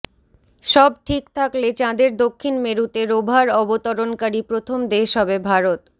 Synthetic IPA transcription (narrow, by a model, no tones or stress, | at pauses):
ʃɔb̚ʈʰikt̪ʰaklet͡ɕãd̪eɾd̪okʰːinmeɾut̪eɾobʱaɾɔbot̪oɾonkaɾipɾot̪ʰomd̪eʃɔbebʱaɾot̪